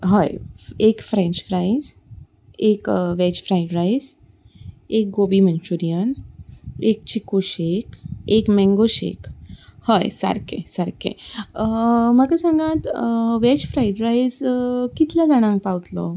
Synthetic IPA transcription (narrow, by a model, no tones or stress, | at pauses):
ɦəjekfɾẽɲt͡ɕfɾajd͡z | ekʋet͡ɕfɾajɖɾajz | ek̚ɡobimənt͡ɕuɾijən | ek̚t͡ɕikuɕekekmɛŋɡoɕḛkhəjsə̰ɾkḛ̃səɾkḛ | məɡasãŋɡat̪ʋet͡ɕfɾajɖɾaid͡zkit̪lad͡zaɽ̃ãŋk̚pawt̪lɔ